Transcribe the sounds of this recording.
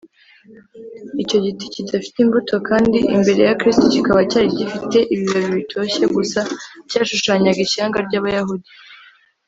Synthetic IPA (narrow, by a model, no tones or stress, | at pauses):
ico̞ɟiticidafi̥timbutʰo̞kaːndiʔimbe̞ɾe̞jakɾistocikaβacaːɾiɟifite̞ʔiβijoβiβitʰo̞ːçe̞ɡusacaːʃuʃaːɲaɡiʃaːŋɡaɾɟaːβajahudi